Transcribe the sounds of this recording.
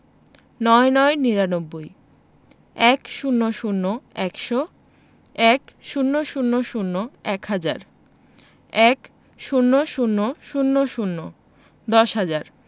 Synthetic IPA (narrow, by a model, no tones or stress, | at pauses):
nɔenɔeniɾanobːoj | ɛkʃunːoʃunːoɛkʃo | ɛkʃunːoʃunːoʃunːoɛkhad͡ʑa̰ɾ | ɛk | ʃunːoʃunːoʃunːoʃunːo | d̪ɔʃɦad͡ʑaɾ